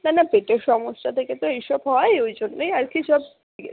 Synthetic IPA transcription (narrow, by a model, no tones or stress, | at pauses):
nanabeʈeɾʃɔmoʃːat̪ʰeket̪oejʃɔbɦɔeojd͡ʑonːejaɾkiʃɔb̚ | eɡɛ̰